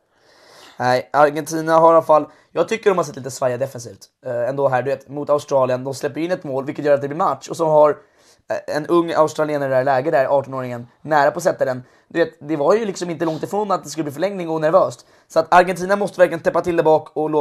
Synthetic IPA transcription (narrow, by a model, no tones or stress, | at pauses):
nɛɪaɾɡɛnt̪ʰiːnaɦaɾalafalː | jɑːɡ̚t̪ʰʏkːəɖɔmhaɾsɛt̪ːliːt̪əsvajad̪ɛfɛns̬iːft̪ | ɛnd̪oːɦæːɖɵveːt̪mʊt̪aʊst̪ɾɑːlɪənd̪ɔmslɛpːəjʏɪnːɛt̪moːlvɪlkət̪jœːɾat̪̚d̪ɛblɪɾmat̪ʂɔsɔɦaɾ | ɛnɵŋːa̰ʊst̪ɾalɪeːnəɾdælɛːɡəd̪æɾʔɑːʈɔnoːɾɪŋənːæːɾapʰɔs̬ɛt̪ːad̪ɛn | d̪ɵveːt̪d̪ɛvaɾjɵlɪksɔmɪnt̪əlɔŋt̪ɪfɾoːnat̪̚d̪ɛskɵlb̪iːfœɭɛŋnɪŋɔnæɾvøːst̪ | sɔat̪aɾɡɛnt̪iːnamɔst̪əvæɾklɪjənt̪ʰɛpːat̪ʰɪld̪ɛbɑːkɔloː